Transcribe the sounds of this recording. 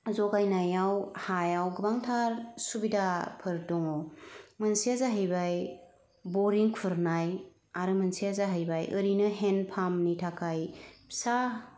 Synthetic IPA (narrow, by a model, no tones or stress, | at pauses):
zɔɡajnajawhajawɡɯbaŋtʰaɾsubidapʰɯɾdɔŋɔmɯnsiazaɦɯjbaj | bɔɾiŋpʰuɾnaj | aɾɯmɯnsiazaɦɯjbajʔɯɾinɯɦenpʰamnitʰakʰajpʰi̥sa